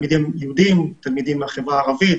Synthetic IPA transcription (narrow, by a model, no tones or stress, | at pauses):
mid̪imjɛhud̪imt̪almid̪imːeaχevʁaːʁavit̪